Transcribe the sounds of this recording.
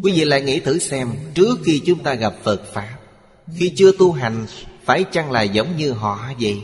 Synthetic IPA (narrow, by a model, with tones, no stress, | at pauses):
kwi˨˦vḭ˧˨la̰ː˧˨jŋḭ˧˥t̪ʰɨ˨˩˦sɛ˧mt͡ɕɨ˦˥ək̚xi˧t͡ɕʊ˨˦ŋ͡mt̪aː˧ɣa˨˩p̚fə˨˩t̚faː˨˦˥p̚ | xi˧t͡ɕɨ˧ət̪u˧ɦa˨˩jŋ̟faː˧˩jt͡ɕa˧ŋla̰ː˨jzə˨˦wŋ͡mɲɨ˧ɦɔ̰˧˨˦zə̰˨˩j